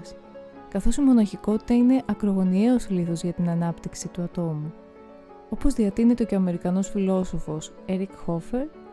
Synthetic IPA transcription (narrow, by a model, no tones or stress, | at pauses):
s | kɐθo̞simo̞nɐçiko̞t̪i̥t̪ɐine̞ʔɐkɾo̞ɣo̞nie̞o̞sliθo̞zʝɐt̪inɐnɐpt̪iksit̪uɐt̪o̞mu | o̞pozðiɐt̪inet̪eoce̞ɐme̞ɾikɐno̞sfilo̞so̞fo̞s | e̞ɾikxo̞fe̞ɾ